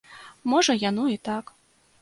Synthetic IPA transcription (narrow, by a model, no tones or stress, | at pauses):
mɔʐɐjanɔit̪ak